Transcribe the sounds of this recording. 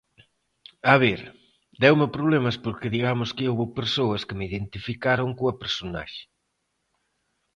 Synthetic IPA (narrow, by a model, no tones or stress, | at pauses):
aβ̞eɾ | d̪ɛwmepɾoβlemɐspoɾkɪðiɣamʊskɪowβopeɾsoɐskɪmeiðent̪ifikaɾoŋkoɐpeɾsona̰ʃe̥